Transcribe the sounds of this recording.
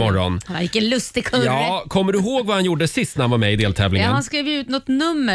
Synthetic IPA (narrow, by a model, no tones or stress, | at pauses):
ɔɾɔ̰nhana̰ɾɪkːəlɵst̪ɪkʰɵjɑːkʰɔmːəɖɵɦoːɡvahanjuɖəsɪst̪nhanvaɾmɛɪd̪eːlt̪ʰɛːvlɪŋəhanskɾiːvjʉ̟ːt̪nɔt̪nɵmːə